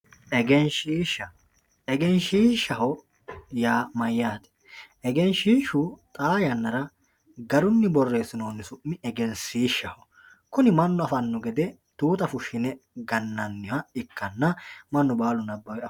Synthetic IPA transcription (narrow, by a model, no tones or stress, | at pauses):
ɛɡɛnʃiːʃɐ | ɛɡɛnʃiːʃːɐhɔ | jaːmɐjːaːt̪ɛ̥ | ɛɡɛnʃiːʃut̪ʼaːjɐnːɐɾɐ | ɡɐɾʊnːɪbɔrːe̞ːsɪnoːnːɪsʊʔːɪɛɡɛnsiːʃːɐhɔ | kʊnɪmɐnːɔɐfɐnːɔɡɛd̪ɛ | t̪uːt̪ʼɐfʊʃːɪnɛɡɐnːɐnːɪhɐɪkːɐnːɐmɐnːɔbaːlʊnɐbːɐwɛɐ